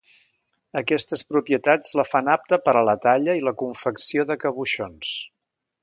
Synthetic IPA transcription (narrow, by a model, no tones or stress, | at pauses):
əkɛst̪əspɾupjiət̪ad͡zləfanap̚t̪əpəɾələt̪aʎəiləkuɱfəksioðəkəβuʃons